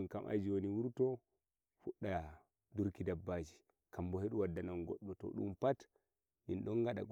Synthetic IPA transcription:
nkamʔa̰d͡ʒiwoniwuɾtɔ | fuɗːa | duɾkidabːad͡ʒi | kambɔheɗuwadːananɡɔ̰ɗːɔtɔ̰ɗṵmpat | minɗɔnɡaɗa̰ɡ

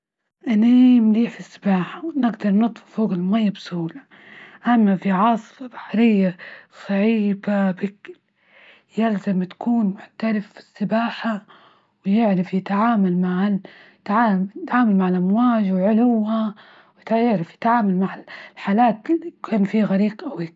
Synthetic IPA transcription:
ʔɪnːimliːħfisːɪ̥baːħawnɪɡd̪ɑɾˤnɨt̪ˤfʊfoːɣɪlmajːabsuːla | ʔamːafiʕɑːsˤfɑbḁħɾɪjːasˤɑʕiːbabɪkl | jɪlzamt̪ḁkuːnmʊħt̪alɪfːi̥sːɪbaːħa | wɪjɪʕɾafjɪt̪ʕaːmalmaʕal | t̪ʕaːjɪt̪ʕaːmalmaʕalʔamwaːd͡ʒwɪʕʊlʊwha | wjt̪jɪʕɾafjɪ̥t̪ʕaːmalmaʕallħaːlaːt̪likʰaːnfiːɣaɾiːqʔawiːk

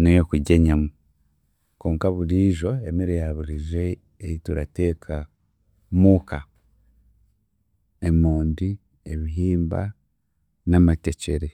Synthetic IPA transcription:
nejokuɟeɲamu | koːŋkaβuɾiːʒo̞emiɾejaβuɾiʒe̞ː | jituɾate̞ːkʰa | muka | emuːndi | eβiɦiːmba̰ | namate̞t͡ʃe̞ɾe

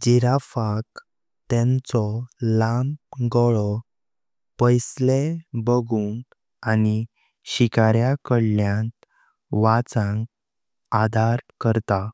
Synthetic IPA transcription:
d͡ʑiɾafak | t̪ɛ̃nt͡sɔlamɡɔɭɔ | pəjslebəɡuːn | ani | ɕikaɾjakəɽljãnt̪ | ʋat͡sãŋɡ | ad̪ʱaɾkəɾt̪a

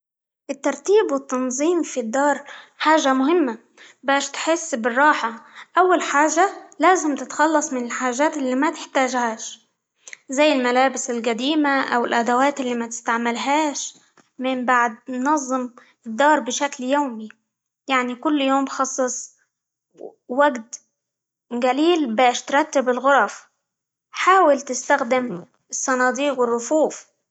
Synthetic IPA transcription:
ʔɪt̪ːɑɾˤt̪iːbwɪt̪ːɑnzˤiːmfid̪ːɑːɾˤħaːʒamʊhɪmːa | baːʃt̪ħɪsːbɪrˤːɑːħaʔawːalħaːʒalaːzɪmt̪ɪt̪xɑlːɑsˤmɪnɪlħaːʒaːt̪ʔɪlːiːmat̪ɪħt̪aːʒhaːʃ | zajːɪlmalaːbɪsɪlqad̪iːmaʔa̰wɪlʔad̪awaːt̪ʔɪlːiːmat̪ɪ̥st̪aʕmalɦaːʃ | mɪmbaʕd̪̚nnɑzˤːɨm | ɪd̪ːɑːɾˤbɪʃakljawmi | jaʕnikʊlːjoːmxɑsˤːɑsˤ | waɡt̪ | ɡaliːlbaːʃt̪ɾˤɑt̪ːɪbɪlɣʊɾˤɑf | ħaːwɪlt̪ɪst̪axd̪ɪm | ɪsːɑnɑːd̪iːqwɪrˤːʊfuːf

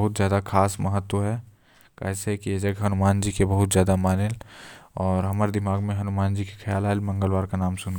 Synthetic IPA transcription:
ɦʊt̪zjaːd̪akʰaːsmɐɦət̪wəɦɛ | ka̰sɦɛkijed͡ʒɐɡɦɐnʊmaːnd͡ʒiːkebɐɦʊt̪zjaːd̪amaːnelɔːɾɦɐmaːɾed̪ɪmaːɡmẽɦɐnʊmaːnd͡ʒiːke̥xʰɐjaːlaːlmɐ̃ŋɡəlʋaːɾkanaːmsʊnɡ

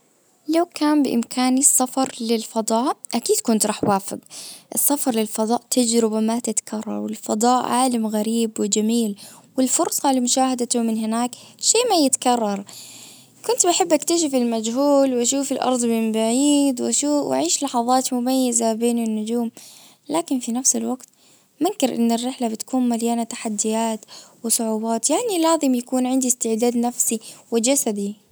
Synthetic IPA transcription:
lawkaːmbɪʔɪ̰mkʰaːnisːɑfɑɾˤlɪlfɑd̪ˤɑːʔʔakiːd̪kʊnt̪ɾˤɑːħwaːfɪ̰ɡʔɪsːɑfɑɾˤlɪlfɑd̪ˤɑːʔt̪ʰad͡ʒɾɪbamat̪ɪt̪ḁkʰɑrˤːɑ̰ɾˤwɪlfɑd̪ˤɑːʔʕaːlamɣaɾiːbwɪd͡ʒamiːlwɪlfʊɾsˤɑlamʊʃaːhad̪t̪ʊmɪnhɪnaːkʃeːmajɪt̪kɑrˤːɑɾˤ | kʊnt̪baħɪbːʔakt̪aʃ̬ɪfɪlmad͡ʒhuːlwʔaʃuːfɪlʔɑ̰ɾˤd̪ˤmɪnbaʕiːd̪wʔaʃuːwʔa̰ʕiːʃlɑħɑðˤɑːt̪mʊmajːazabeːnɪnːʊd͡ʒuːm | laːkɪnfinafsɪlwaɡt̪ | mankɪɾʔɪ̰nːɪrːɪħlabɪt̪kuːnmaljaːnat̪ḁħad̪ːɪjaːt̪wɪsˤʊʕuːbɑːt̪jaʕnilaːzɪmjakuːnʕɪnd̪ist̪ɪʕd̪aːd̪nafsiwɪd͡ʒasad̪i

